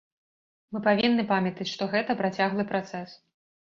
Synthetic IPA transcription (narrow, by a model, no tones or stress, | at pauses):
mɨpavʲinːɨpamʲɐt̪ɐt͡sʲʂt̪ɔɣɛt̪ɐpɾat͡sʲaɣlˠɨpɾat̪sɛs